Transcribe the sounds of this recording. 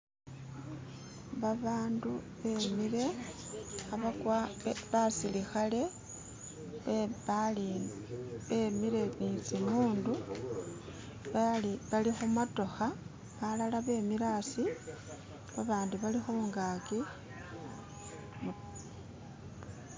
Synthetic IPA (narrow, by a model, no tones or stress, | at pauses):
βaβaːndu | βe̞ːmiɾe̞ | xaβakwaeβasilixale̞ | eβali | βe̞miɾe̞nit͡simuːndu | aliβalixumato̞xa | βalalaβe̞ːmiɾaːsi | βaβaːnduβalixuːŋɡaki | mu